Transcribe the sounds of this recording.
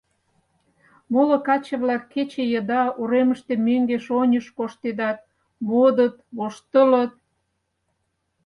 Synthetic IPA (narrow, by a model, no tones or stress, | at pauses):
molə̆kɑt͡ɕəβlɑkːet͡ɕejəd̪ɑuɾeməʃt̪emøŋɡeʃonʲəʃkoʃt̪ed̪ɑt̪̚ | mod̪ət̪̚βoʃt̪ələ̆t̪̚